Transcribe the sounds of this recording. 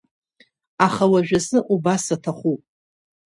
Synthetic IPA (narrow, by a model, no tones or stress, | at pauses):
aχawaʒᶣasɨʔubasatʰaχʷupʼ